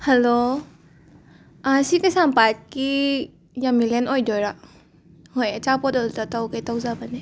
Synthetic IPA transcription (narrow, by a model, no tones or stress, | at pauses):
halo | asikɐsampat̚ki | jamilenojdojɾa | hojɐt͡ʃapɔdɔltɐtawketawzabɐne